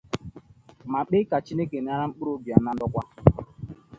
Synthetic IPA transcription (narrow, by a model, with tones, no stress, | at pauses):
ma˨k͡pe˦ka˨t͡ʃi˦ne˦ke˨n˨a˦ɾa˦ŋ͡m̩˦k͡pɾo˦bja˨na˦n̩˦dʊ˦kʷa˦